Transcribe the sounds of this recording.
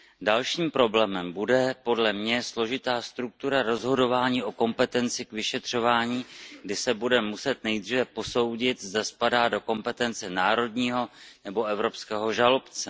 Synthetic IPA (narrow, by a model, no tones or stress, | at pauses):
dalʃiːmpɾo̞blɛːmɛmbudɛpo̞dlɛmɲɛslo̞ʒɪt̪aːst̪ɾuk̚t̪uɾaɾo̞zɦo̞do̞vaːɲiːʔo̞ko̞mpɛt̪ɛnt͡sɪkvɪʃɛt̪r̝̥o̞vaːɲiːɡdɪsɛbudɛmusɛt̪nɛjd̪rivɛpo̞so̞wɟɪt̪zdaspadaːdo̞ko̞mpɛt̪ɛnt͡sɛnaːɾo̞dɲiːɦo̞nɛbo̞ʔɛvɾo̞pskɛːɦo̞ʒalo̞pt͡sɛ